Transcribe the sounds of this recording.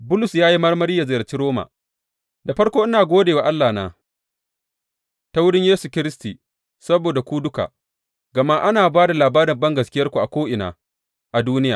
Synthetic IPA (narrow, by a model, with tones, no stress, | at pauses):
bʊ˦lʊ˨sjaː˦ji˦mɐ˦rmɐ˦ɾiː˦ja˨zɐ˨jɐ˨t͡ʃiː˦ɾoː˦ma̰ː˨ | da˨ɸɐ˦ɽkʷoː˦ʔɪ˦naː˨ɡʷoː˦deː˨wa˨ʔa˦lːaː˨naː˦ | ta˦wʊ˦ɽɪ˦ɲjeː˦su˨kʲɪ˦ɾɪ˦stiː˨ | sɐ˦boː˨da˨kʷu˦dʊ˦ka̰˨ | ɡɐ˨ma˦ʔa˦naː˨baː˦da˨laː˨baː˦ɾɪ˨bɐ˦ŋɡɐ˨skʲɪ˦jɐ˦rkʷu˨ʔa˨kʷoː˦ʔɪ˨na̰ː˨ | ʔa˨duː˦nɪ˦jaː˨